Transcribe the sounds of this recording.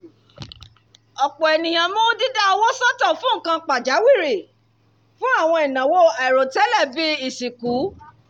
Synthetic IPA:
ɔ˨k͡pɔ˨ɛ˨nĩ˨j̃ã˨mõ˦di˦ɡa˦˧wɔ˦sɔ˦tɔ˦˨fũ˨˦˨kã˧k͡pa˨d͡ʒa˨˦wi˦˨ɾi˨ | fũ˦a˦˨w̃ɔ̃˧i˨nã˨wo˦a˨ɾo˨tɛ˦lɛ˦˨vi˦i˨si˨ku˨˦

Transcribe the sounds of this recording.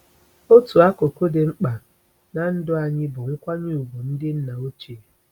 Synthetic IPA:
o˦tu˨a˦ko˨ko˦dɪ˨ŋ͡m̩˦k͡pa˨ | na˨n̩˦dʊ˦a˨ɲɪ˦bʊ˨ŋ̩˦kʷa˦ɲu˦u˨ɡu˨n̩˦dɪ˦n̩˦na˨o˦t͡ʃe˨

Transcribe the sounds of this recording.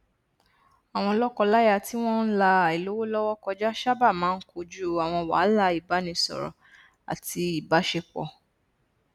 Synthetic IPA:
a˨w̃ɔ̃˧lɔ˦kɔ˧la˦ja˦˨ti˦w̃ɔ̃˦n̩˦la˧˨i˨lo˨˦wo˦lɔ˦wɔ˦kɔ˧d͡ʒa˦ʃa˦ba˦˨mãː˦ko˧d͡ʒu˦˨a˨w̃ɔ̃˧wa̰˨˦la˧i˨ba˨˦nĩ˧sɔ̰˨ɾɔ̰˨ | a̰˨ti˧i˨ba˨˦ʃe˧k͡pɔ̰˧˨

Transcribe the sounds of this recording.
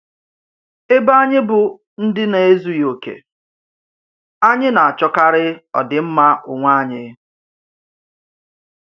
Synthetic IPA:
e˦ba˦a˦ɲɪ˦bʊ˨ | n̩˦dɪ˦ne˨e˦zu˦jo˨kḛ˨ | a˦ɲɪ˦na˨a˨t͡ʃɔ˦ka˦ɾɪ˦ɔ̰˨dɪ˨m̩˦ma˦ʊ˨ŋʷa˦ɲɪ˦

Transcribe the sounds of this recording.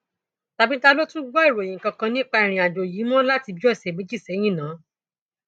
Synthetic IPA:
ta˧bi˦ta˦lo˦tũ˦ɡɔ˦i˦˨ɾõ˨ĩ˨kã˧kã˧nĩ˦k͡pa˧i˧˨ɾĩ˧a˨d͡ʒo˨ji˨˦mɔ̃˦la˦ti˧bi˨˦ɔ˦˨sɛ˨mi˨˦d͡ʒi˦˨sɛ˨˦j̃ĩ˦˨nãː˨˦

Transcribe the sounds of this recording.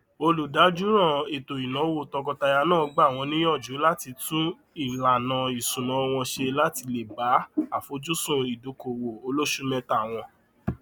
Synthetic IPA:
o˧lu˨da˨˦d͡ʒu˦ɾ̃ã˦˨e˨to˨i˨nã˨˦wo˨tɔ˧kɔ˧ta˧ja˧nãː˦˨˧ɡ͡ba˦˨w̃ɔ̃˧nĩ˦jɔ˦˨d͡ʒu˨˦la˦ti˧tũ˦ | i˦˨la˨nã˨i˨sũ˨nã˨˦˧w̃ɔ̃˧ʃe˧la˦ti˧le˨ba˨˦a˨fo˨˧˦d͡ʒu˦sũ˦i˨do˨˦ko˨wo˨o˧lo˦ʃu˦mɛ̃˦ta˦˨w̃ɔ̃˧

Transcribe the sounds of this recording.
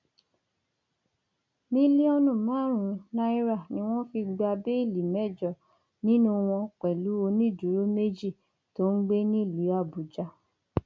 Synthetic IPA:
mĩ˦li˦ɔ˧nũ˦˨mãː˨˦ɾ̃ũ˨˦nã˦i˦ɾa˦˨nĩ˦w̃ɔ̃˦fi˧ɡ͡ba˧be˦i˦˨li˨mɛ˦˨d͡ʒɔ˨ | nĩ˦nũ˦w̃ɔ̃˧k͡pɛ˨lu˨˦o˧nĩ˦˨d͡ʒu˨ɾo˦me˦d͡ʒi˦˨ | to˦n̩˦ɡ͡be˦nĩ˦˨li˨˦a˦˨bu˨d͡ʒa˧˦

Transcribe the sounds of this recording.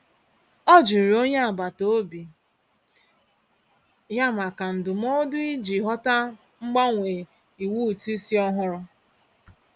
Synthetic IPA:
ɔ˦d͡ʒi˨ɾo˦ɲe˦a˨ba˨to˦bi˨ | ja˦ma˨ka˨n̩˨dʊ˨mɔ˦dʊ˦i˦d͡ʒi˨ɦɔ˦ta˦ | ŋ͡m̩˦ɡ͡ba˦ŋʷe˨ | i˨wu˦˨ti˦si˦ɔ˦ɦʊ˦ɾʊ˦

